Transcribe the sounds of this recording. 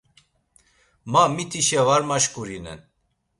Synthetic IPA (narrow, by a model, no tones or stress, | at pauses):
mamit̪ʰiʃɛvaɾmaʃkuɾinɛ̰n